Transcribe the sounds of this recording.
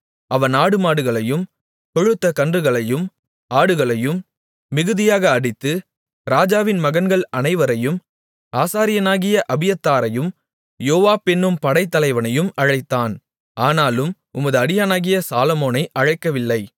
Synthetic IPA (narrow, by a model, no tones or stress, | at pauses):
ʔɐʋɐnaːɽɯmaːɽɯɣɐɭɐjɯm | kɔɻɯt̪ːɐkɐndrɯɣɐɭɐjɯm | aːɽɯɣɐɭɐjɯmː | ɪɣɯðɪjaːɣɐːɽɪt̪ːɯ | ɾaːd͡ʒaːʋɪnmɐɣɐnɡɐɭɐnɐɪʋɐɾɐjɯm | aːsaːɾɪjɐnaːɣɪjɐʔɐbɪjɐt̪ːaːɾɐjɯm | joːʋaːpɛnːɯmpɐɽɐɪt̪ːɐlɐɪʋɐnɐjɯmɐɻɐɪt̪ːaːn | ʔaːnaːlɯm | ʊmɐðɯɐɽɪjaːnaːɣɪjɐsaːlɔmoːnɐɪʔɐɻɐɪkːɐʋɪlːɐɪ